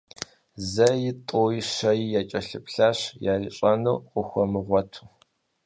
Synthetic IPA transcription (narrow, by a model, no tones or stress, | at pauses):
zɐjɪtʼoːjiʃɐjijaːt͡ʃʼɐɬɨpɬaːɕjaːɮɕʼɐnuwqʷʊxʷɔmɨʁʷɔtʰu̥